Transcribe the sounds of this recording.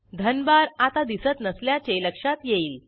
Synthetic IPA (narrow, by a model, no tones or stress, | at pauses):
d̪ʱənbaɾat̪ad̪isət̪nəsljat͡ɕeləkʂat̪jeiːl